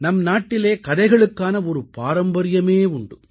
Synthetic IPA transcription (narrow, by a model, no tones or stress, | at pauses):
nɐmnaːʈːɪleːkɐðɐɪɣɐɭɯkːaːnɐɔɾɯpaːɾɐmbɐɾɪjɐmeːʊɳɖɯ